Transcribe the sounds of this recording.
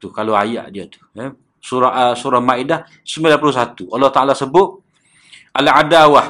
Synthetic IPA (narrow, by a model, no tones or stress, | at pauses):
t̪ukaloaja̰ʔdiat̪u̥ɛ | suɾasuɾahmaidah | səmilaplusat̪ualːɔht̪aʔalasəbʊt̪̚ | aladawa